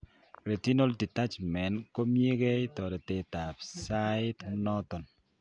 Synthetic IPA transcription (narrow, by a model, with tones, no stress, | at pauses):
ɾe˨ti˦no˦ldi˨ta˦t͡ʃmɛ˨nko˦mje˦ɡɛ˦ɪ˦tɔ˨ɾe˨te˨ta˨psaɪ˦tmnɔ˦t̪ɔ˨n